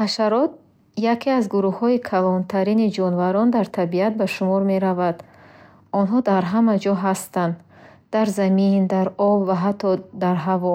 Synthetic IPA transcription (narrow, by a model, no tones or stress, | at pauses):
haʃaɾɔt̪̚ | jakʰeazɡuɾuhhɔikʰalɔnt̪ʰaɾinid͡ʒɔnvaɾɔnd̪aɾt̪ʰabiat̪̚baʃumɔɾme̞ɾavad̪ | ɔnɦɔd̪aɾɦamad͡ʒɔɦast̪and̪ | d̪̥aɾzamind̪aɾɔbvaɦat̪ʰːɔd̪aɾɦavɔ